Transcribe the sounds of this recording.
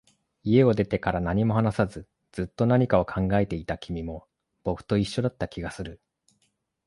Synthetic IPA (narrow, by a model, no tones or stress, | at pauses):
ie̞o̞d̪e̞t̪e̞kaɾanaɲ̟imo̞hanasazɨ | d͡z̥ɨt̪ːo̞naɲ̟ikao̞kʰãŋɡae̞t̪e̞it̪akʲʰimʲimo̞ | b̥o̞kɯ̥t̪o̞iɕːo̞d̪at̪ːakʲʰiɡasɨɾɯ̟